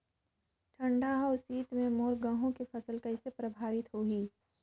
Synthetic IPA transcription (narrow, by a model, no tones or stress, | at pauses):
ʈʰɐ̃ɳɖʱaːɦɔːsiːt̪mẽmoːɾɡãɦõkefʰɐsəlkɐɪsepɾɐbʱaːɾɪt̪ɦoːɡiː